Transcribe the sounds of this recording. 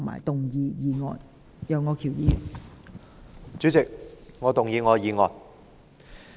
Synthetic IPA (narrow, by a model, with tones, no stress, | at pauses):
ŋma̰ː˨jt̪ʊ˨ŋjiː˧jiː˨˧ŋɔ̰ː˧n | jɐ˨˧wŋɔː˧kʰiː˨˩wjiː˨˧jy˨˩ | t͡syː˨˥t͡sɪ˨k̚ŋɔː˨˧t̪ʊ˨ŋjiː˧ŋɔː˨˧jiː˨˧ŋɔː˧˩n